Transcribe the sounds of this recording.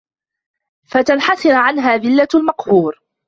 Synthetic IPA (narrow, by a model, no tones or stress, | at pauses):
fat̪anħasɪnʕanɦaːðɪlːalmɑqhuːɾ